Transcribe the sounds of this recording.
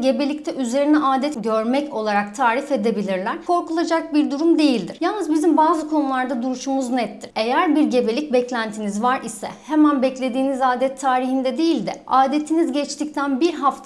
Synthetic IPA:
ɟe̞be̞lʲic̚t̪ʰɛʔyze̞ɾinɛʔaːd̪ɛt̪ɟø̞ɾmɛco̞lˠaɾak̚t̪ʰaːɾife̞d̪e̞bilʲiɾlʲæɾ̥kʰo̞ɾkulˠad͡ʒak̚biɾd̪uɾumd̪e̞jilʲd̪iɾ̥jalˠnɯzbizimbaːzɯkʰo̞nulˠaɾd̪ad̪uɾuʃumuznɛt̪ːiɾ̥e̞jæɾbiɾɟe̞be̞lʲic̚bɛclʲænt̪ʰinizvaɾʔisɛ̰hemænbɛclʲe̞d̪iːnizaːd̪ɛt̪ʰːaːɾihind̪ɛd̪ejilʲd̪ɛ̰aːd̪e̞t̪ʰinizɟɛt͡ʃt̪ʰic̚t̪ʰænbiɾɦaft̪ʰ

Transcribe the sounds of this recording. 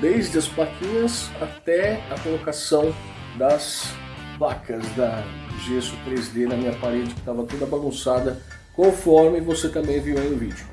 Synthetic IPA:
d̪ejzd͡ʒɪɐsplakʰĩɲɐsat̪ɛɐkolokasɐ̃w̃ | d̪ɐs | vakɐzd̪ɐ | ʒesut̪ɾezd̪enɐmĩɲɐpaɾed͡ʒɪkɪ̥t̪avɐt̪od̪ɐbaɡũsad̪ɐ | kõfɔɾmɪvoset̪ɐ̃mbẽj̃vioẽj̪̃ʊvid͡ʒʊ

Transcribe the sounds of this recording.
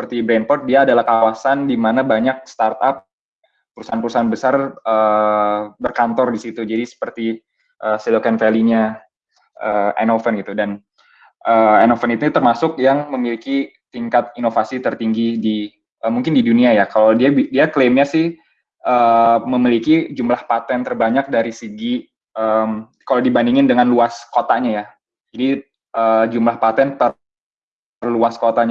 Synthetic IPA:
səpərt̪ibɾɛnpɔt̪̚diaːdalahkawasandimanabaɲak̚st̪art̪ap̚ː | əɾusaanpuɾusaanbəsarʔə | bərkant̪ɔrdisit̪ud͡ʒadisə̥pərt̪i | ʔəsilokɛnfɛliɲa | ʔəːɛ̰nofənɡit̪udan | ʔəːanofənit̪ut̪ərmasʊk̚jaŋməmilikit̪iŋkat̪̚inofasit̪ərt̪iŋɡidi | ʔəmuŋkɪndiduniajakaladiabidiaklemɲasɪh | ʔəːməmilikid͡ʒumlahpat̪ɛnt̪ərbaɲak̚daɾisəɡi | ʔəm | kalawdibandiŋɪndəŋanluaskot̪aɲaja | d͡ʒadi | ʔəd͡ʒumlahpat̪ɛnt̪ə | rluaskot̪aɲ

